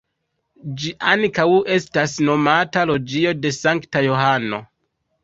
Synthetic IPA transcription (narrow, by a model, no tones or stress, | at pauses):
d͡ʒiʔaŋkawe̞stasno̞matalo̞d͡ʒio̞de̞saŋktajo̞ɦano̞̰